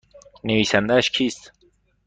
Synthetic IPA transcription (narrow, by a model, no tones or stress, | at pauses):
neviːsænd̪æʃkʰiːst̪